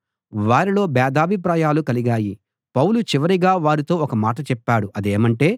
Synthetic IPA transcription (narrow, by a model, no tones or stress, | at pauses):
ʋaːɾilo̞ːbɛːd̪aːbʱip̬ɾaːjaːlukɐliɡaːji | pɐwlut͡ʃiʋɐɾiɡaːʋaːɾit̪o̞ːɔkɐmaːʈɐt͡ʃɛpːaːɽuʔɐd̪eːmɐɳʈe̞ː